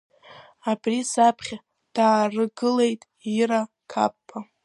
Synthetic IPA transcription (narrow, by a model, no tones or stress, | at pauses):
abrisapʰχʲa | d̥aːrɨɡɨle̞jtʼ | iɾa | kʰa̰pːʰa